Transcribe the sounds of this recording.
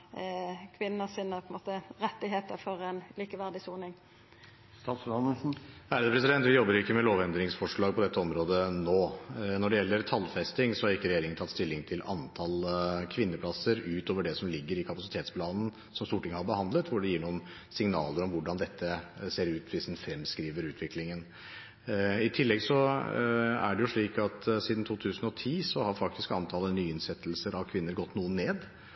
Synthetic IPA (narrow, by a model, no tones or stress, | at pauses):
kʰʋɪnːəsiːnəpʰɔənmoːt̪əɾɛt̪ːɪɦeːt̪əɾfɔɾɛnliːkəʋæʁd̪ɪsuːnɪŋ | st̪ɑt̪sɑməhæːɾəd̪əpɾɛsɪd̪ɛnt̪ʋɪjɔbːəɾjʊɪkːəmɛloːʋɛnd̪ɾɪŋsfɔʂɭɑːɡpɔd̪ɛt̪ːəɔmɾoːd̪ənoːnɔɖɛjɛlːəɾt̪ʰɑlfɛst̪ɪŋsɔhɑɾɪkːəɾɛjeːɾɪŋənt̪ʰɑt̪st̪ɪlːɪŋt̪ʰɪlɑ̰nt̪ʰɑlkʰʋɪnːəpʰlɑsəɾʉːt̪oːʋəɖɛsɔmlɪɡːəɾɪkʰɑpɑsɪt̪ʰeːt̪spʰlɑːnn̩ | sɔmst̪uːʈʰɪŋːəhɑɾbəhɑnd̪lət̪ʋʊɖɛjiːɳuːən | sɪŋnɑ̰ːləɾɔmʋʊɖɑnd̪ɛt̪ːəseːɾʉːt̪ʋɪsd̪ɛnfɾɛmskɾiːʋəɾʉːt̪ʰʋɪklɪŋən | ɪt̪ʰɪlːɛɡsɔ | æ̰ɖɛjʊʂɭiːkɑt̪siːd̪n̩t̪ʰuːt̪ʰʉːsn̩ɔt̪ʰiːsɔhɑɾfɑk̚t̪ɪskɑnt̪ʰɑːlənyːɪnsɛt̪lsəɾɑʋkʰʋɪnːəɾɡɔt̪ːnuːənːeːd̪